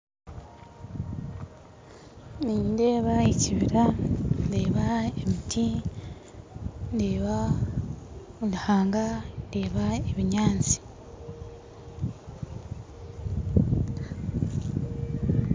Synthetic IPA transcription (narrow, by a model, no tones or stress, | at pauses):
ninde̞ːβaeciβiɾande̞ːβaemitʰi | ndeːβa | luhaːŋɡande̞ːβaeβiɲaːnt͡si̥